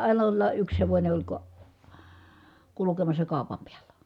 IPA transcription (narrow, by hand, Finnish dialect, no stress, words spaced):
ʔɑin olːɑˑ ʔyks heʋonʲe olʲ ko kulukemɑsːɑ kɑˑu̞pɑm piælːæ